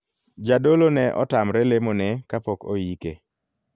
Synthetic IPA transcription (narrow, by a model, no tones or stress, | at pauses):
d͡ʒadolonɛʔɔ̰tamɾɛlemonɛkapɔko̰jike